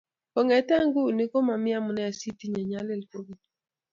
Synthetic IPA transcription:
o˨ŋɛ˨ta˦ŋɡu˦˨ni˦ko˦ma˨mɪja˦mʊ˨nɛ˦a˨si˦ti˦ɲa˨ɲa˦le˦lpo˦ɡi˦

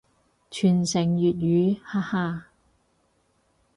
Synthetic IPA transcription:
t͡ʃʰyː˨˩nsɪ˨˩ŋjyː˨t̪̚jyː˨˧haː˥haː˧

